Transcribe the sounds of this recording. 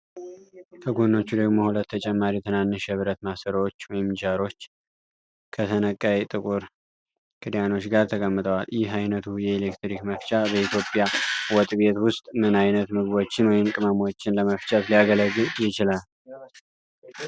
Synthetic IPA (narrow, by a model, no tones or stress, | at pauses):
k̪ʰəɡonːo̞t͡ʃːud̪əɡmo̞hulət̪ʰːət͡ʃʼɛmːaɾit̪ʰənanːɨʃɛβɨɾət̪masəɾwot͡ʃːwɔjɪmt͡ʃaɾo̞t͡ʃː | kʰət̪ʰənəkʼːajt̪ʼɨkʼuɾ | kʰʼɨd̪jano̞t͡ʃːɡaɾt̪ʰəkʼəmːɨt̪ʼəwaljɪɦajnət̪ʰujɛelekt̪ɾikməft͡ʃʼabəit̪jopʼjawɔt̪ʼβe̞t̪wʊst̪ʼmɨnajnət̪mɨɡbo̞t͡ʃːɪnwɔjɪmkʼɨməmo̞t͡ʃːɪnləməft͡ʃʼət̪lijaɡələɡɨjɪt͡ʃɪlal